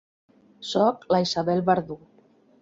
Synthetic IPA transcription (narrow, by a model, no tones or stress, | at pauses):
sɔklaisaβɛlβaɾðu